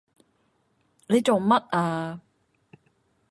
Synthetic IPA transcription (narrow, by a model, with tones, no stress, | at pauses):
le˨˧jt͡so˨˩ŋmɐ˥t̚aː˧